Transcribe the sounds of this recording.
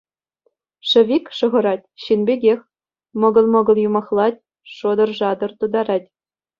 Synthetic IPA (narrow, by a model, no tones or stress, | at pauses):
ʂɘ̆ʋʲikʲʂɤ̆ʁɤ̆ɾɑtʲɕinbʲeɡʲexʲ | mɤ̆ɡɤ̆lˠmɤ̆ɡɤ̆lˠjumɑχlˠɑtʲ | ʂod̪ɤ̆rʐɑd̪ɤ̆rt̪ud̪ɑɾɑtʲ